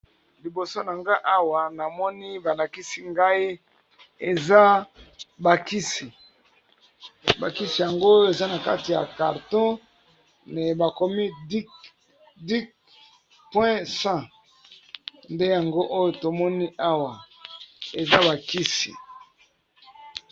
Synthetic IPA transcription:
li˨bo˨so˦na˨ŋɡa˦ʔa˦wa˨na˨mɔ˦ni˦ba˨la˨ki˦si˦ŋɡa˦i˦ | e˨za˦ | ba˨ki˦si˨ | ba˨ki˦si˨ja˨ŋɡo˦o˦e˨za˦na˨ka̰˦ti˨ja˨ka˨ʁtõ˦ | ne˨ba˨kɔ˨mi˦di˦ | di˦k̚ | pwɛ̃˦sã˦˨ | nde˦ja˨ŋɡo˦ʔo˦jo˨to˨mɔ˦ni˦ʔa˦wa˨ | e˨za˦ba˨ki˦sḭ˨

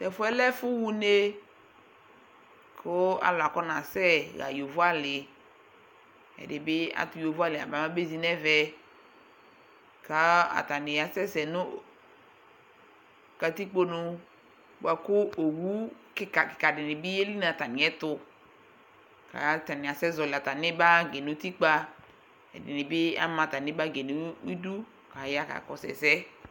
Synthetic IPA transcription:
tɛ˨fʊ˦ɛ˦lɛ˦fʊ˦wu˦ne˦ | kʰʊ˦a̰˦la˨kɔ˦nã˨sɛ˦ɣa̰˨jo˨vu˦a˦lɪ˨ | ɛ̰˨dɪ˨bɪ˦a̰˨tʊ˨jo˨vu˦a˦lɪ˨a̰˨ba˨ma˦be˦zi˦nɛ˦vɛ˦ | ka˨˦a̰˨ta˨nɪ˨a˨sɛ˦sɛ˨nʊ˦ | ka˨ti˦k͡po˦nʊ˧ | ba˨kʊ˦o˨wu˦kka˨kɪ˨ka˨dɪ˨nɪ˨bɪ˦e˦li˦na˨ta˨nɪ˨ɛ˦tʊ˨ | ka̰˨˦ta˨nɪ˨a˨sɛ˦zɔ˨la˨ta˨nɪ˦ba˦ɡe˨nu˦ti˦k͡pa˧ | ɛ̰˨dɪ˨nɪ˨bɪ˦a̰˦mã˨ta˨nɪ˦ba˦ɡe˨nu˨˦ḭ˦du˦ | ka˨ja˦ka̰˨kɔ˨sɛ̰˨sɛ˦

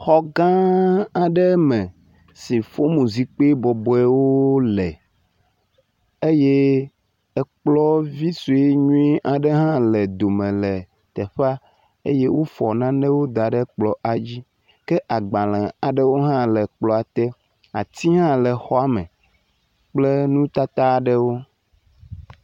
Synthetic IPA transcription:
xɔ˦ɡã˦a˨ɖɛ˦mɛ̃˨ | si˨fo˦mũ˨zi˨k͡pe˦bɔ˨bɔ˦ɛ˦wo˦lɛ˨ | e˦je˦ | ɛ˦k͡plɔ˦vi˦su˨e˦ɲũ˦i˦ʔa˨ɖe˦ɦã˦lɛ˨d̪o˨mẽ˨lɛ˨ | t̪ɛ˨ɸa˦ | ḛ˦je˦wo˦fɔ˨nã˦ne˦wo˦d̪a˨ɖɛ˦k͡plɔ˨ʔa˨d͡ʑi˦ | kɛ˦ʔa˨ɡ͡bã˨lɛ̃˨a˨ɖɛ˦wo˦ɦã˦lɛ˨k͡plɔ˨a˨t̪ɛ˦ | a˨t̪i˦ɦã˦lɛ˨xɔ˦a˦mɛ̃˨ | k͡ple˦nũ˦t̪a˦t̪a˦˨ɖɛ˦wo˦

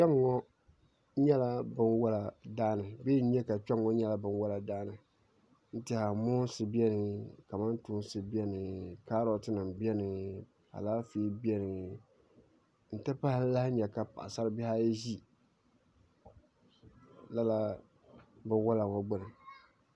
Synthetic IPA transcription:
t͡ʃɛ˦ŋːɔ˦ | ɲɛ˦la˦bɨ˦nwɔ˦la˨daː˦nɨ˨beː˦ɲɛ˦ka˨t͡ʃɛ˦ŋːɔ˦ɲɛ˦la˦bɨ˨n˦wa˦la˨daː˦nɨ˨ | n̩˦tɪ˦ha˨mʊː˦n˦sɨ˨bi˦ɛ˦nɨ˨ka˨ma˦ntuː˦n˦sɨ˨bi˦ɛ˦nɨ˨kaː˦ɾɔ˨tɨ˦nɨ˨m˨bi˦ɛ˦nɨ˨ | ha̰˨laː˦feː˦bi˦ɛ˦nɨ˨ | n̩˨tɨ˦pa˦hɪ˦la˦hɲɛ˨ka˨pa̰˨ʔa˨sa˦ɾɨ˦bɪ˦ha˦jɛ˦ʒi˦ | la˦la˦ | bɨ˨n˦wa˦la˨ŋɔ˦ɡ͡bʊ˦nɨ˨

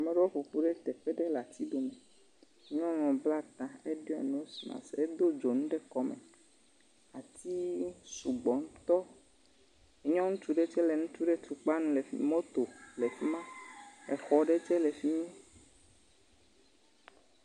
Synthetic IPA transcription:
a˨mẽ˨ɖɛ˦wɔ˦ɸo˨ɸu˦ɖɛ˦t̪ɛ˨ɸɛ˦ɖɛ˦la˨t̪i˦d̪o˨mẽ˨˦ | ɲɔ̃˦ŋɔ̃˨bla˦t̪ã˨e˦ɖɔ˦ɛ̰˨nõ˦si˨mã̰˨sḛ˨˦d̪o˦d͡ʒo˨nũ˦ɖɛ˦kɔ˦mḛ˨ | a˨t̪i˦su˨ɡ͡bɔ˨˦ŋ˦t̪ɔ˦ | e˨ɲɔ̃˦ŋũ˦t̪u˦ɖe˦t͡ʃɛ˦le˨nũ˦t̪u˦ɖe˦t̪u˨k͡pa˦nũ˦le˨fḭ˦˨mo˦t̪o˨le˨fi˦mã˦ɛ˨xɔ˦ɖe˦t͡ʃɛ˦le˨fi˦mĩ˦

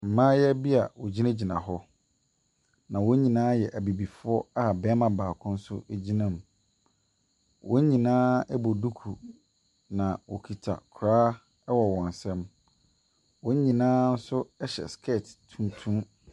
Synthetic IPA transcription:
m̩˨mãː˦jɛ˦bi˦a˨wo˨d͡ʑi˦nã˦d͡ʑi˨nã̰˨ɦɔ˦ | nã˨wõ˦ɲĩ˨nãː˦jɛ˨ʔæ˨bi˨bi˨fʊ˦ɔ˦a˦bɛ˦mã˨baː˨kʰʊ̃˦n̩˦sʊ˦ʔe˨d͡ʑi˦nã˦˨m˨ | wʔõ˦ɲ˦ɲĩ˨nãː˦ɛ˦bo˨du˦kʰu˨ | nã˨wo̰˨kʰi˨tʰa̰˨kʰʊ˨ɾaː˦ | ɛ˦wɔ˨wɔ̃˨n˨sɛ̃˦m | wɔ̃˦ɲ˦ɲĩ˨nãː˦n̩˦sʊ˦ɛ˦ɕɛ̰˨skʰe˦˨ttʰũ˨ntʰũ˦

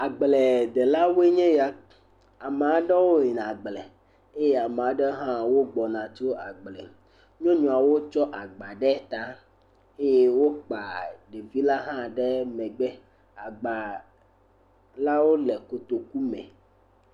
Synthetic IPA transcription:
a˨ɡ͡blɛ˨d̪ɛ˨la˦we˦ɲɛ̃˦ja˦ | a˨m˨a˨ɖɛ˦wo˦e˨nã˨ɡ͡blɛ˨ | e˦je˦a˨m˨a˨ɖɛ˦ɦã˦wo˦ɡ͡bɔ˨nã˨t͡ʃo˦a˨ɡ͡blɛ̰˨ | ɲɔ̃˦ɲɔ̃˨a˨wo˦t͡ʃɔ˦ʔa˨ɡ͡ba˨ɖɛ˦t̪a˦ | e˦je˦wo˦k͡pa˨ɖe˨vi˦la˦ɦã˦ɖɛ˦mɛ̃˨ɡ͡bɛ˦ | a˨ɡ͡ba˨ | la˦wo˦lɛ˨ko˨t̪o˨ku˦mɛ̰̃˨

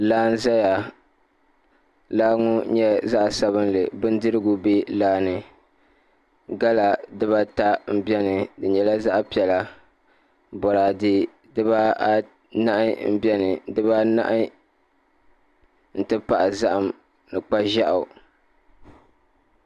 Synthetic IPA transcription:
laː˦n̩˦za˦ja˨ | laː˦ŋʊ˦ɲɛ˦za˦ʔsa˦βɨ˦nlɨ˨bɨ˦n˦dɨ˦ɾɨ˦ɡʊ˨be˦laː˦nɨ˨ | ɡa˦la˨dɨ˦ba˦ta˦m̩˨bi˦ɛ˦nɨ˨dɨ˨ɲɛ˨la˦za˦ʔpi˨ɛ˨la˨ | bɔ˨ɾa˨dɨ˦ | dɨ˦ba˦a˦ | na˦ʔɪ˦m̩˦bi˦ɛ˦nɨ˨dɨ˦ba˦na̰˦ʔɪ˦ | n̩˨tɨ˦pa˦ʔa˨za˦ʔa˨m | nɨ˨k͡pa˦ʒa˦ʔʊ˨

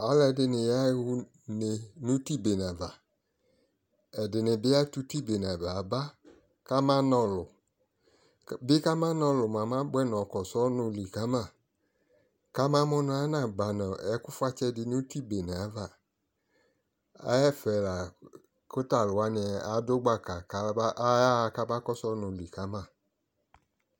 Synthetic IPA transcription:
a˨˦lɛ˨dɪ˦nɪ˨ja˦wu˦ | nɪ˨nu˦ti˦be˨n˨a˨va˨ | ɛ˨dɪ˨nɪ˨bɪ˦a˦tu˦ti˦be˨nã˨va˨ba˦ | ka˦mã˦nɔ˨lʊ˨ | bɪ˦ka˦mã˦nɔ˧lʊ˨m˨a˨mã˦bɛ˦n˨ɔ˨kɔ˨sɔ˦nʊ˧li˨ka˦mã˦˨ | ka˦mã˦mɔ˧nʊ̃˧a˨˦nã˨ɡ͡ba˨nɔ̃˨ɛ˨˦kʊ˦fa˧t͡ʃɛ˧˦dɪ˧n˦u˦ti˦be˨ni˨a˨˦va˨ | a̰˦jɛ˦˨fɛ˨la˨ | kʊ˦ta˨lʊ˨wa˦nɪ˧˨a˨˦do˦ɡ͡ba˦˨ka˨ka˨˦a˦˧ka˦ba˦kɔ˦sɔ˦nʊ̃˧˨li˨ka˦mã˦˨

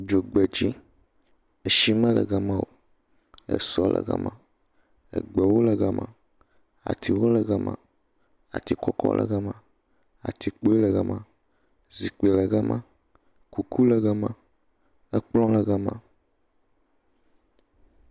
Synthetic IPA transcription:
d͡ʒo˨ɡ͡bɛ˨d͡ʒi˦ | e˨ʃi˦mɛ̃˦lɛ̰˨ɡa˨mã˦wo˨ | ɛ̰˨sɔ˦lʔɛ̰˨ɡa̰˦mã˦ | ɛ̰˨ɡ͡bɛ˨wo˦lɛ˨ɡɛ˦mã̰˦ | a̰˨t̪ʰi˨wo˦lɛ˨ɡɛ˦mã̰˨ | a̰˨t̪i˨kɔ˦kɔ̰˦lʔɛ̰˨ɡɛ˦mã˦ | a̰˨t̪i˨k͡po˦i˦lɛ˨ɡɛ˨mã˨ | zi˨k͡pe˨lɛ˨ɡɛ˦mã˦ | ku˨kʰu˦lɛ˨ɡɛ˦mã˦ | ɛ˦k͡plɔ̃˦lɛ˨ɡa˦mã̰˦

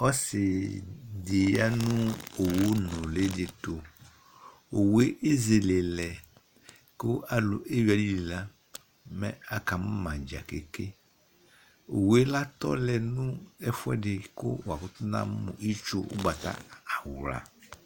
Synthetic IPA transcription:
ɔ˦sɪ˨ | dɪ˨ja˦nũ˦o˨wo˦nɔ̃˨le˦dɪ˨t̪o˨ | o˨we˦ʔe˦ze˨le˨lɛ˨ | ko˦ʔa˨lo˨ʔe˦wi˨˦a˨di˦li˨la˦ | mɛ̰̃˦a˨ka˨mʊ̃˦mã˨d͡ʒa̰˨ke˨ke˦ | o˨wu˨˦e˦la˦t̪ɔ̰˦lɛ˨nũ˦ɛ˦fɛ˦dɪ˨kʊ̰˦wa˨kʊ˦t̪ʊ˦nã̰˦mṵ̃˨ʔi˦t͡ʃo˦ʔo̰˦ba˨t̪a̰˦a˨wɾa̰˨

